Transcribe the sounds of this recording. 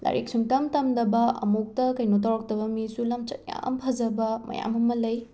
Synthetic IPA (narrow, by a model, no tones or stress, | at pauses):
la̰ɾik̚suŋtɐmtɐmdɐbɐɐ̰muk̚tɐkɐjnot̬awɾɐk̚tɐbɐmisulɐmt͡ʃɐt̚ja̰mpʰɐzɐbɐmɐ̰ja̰mɐmɐlɐj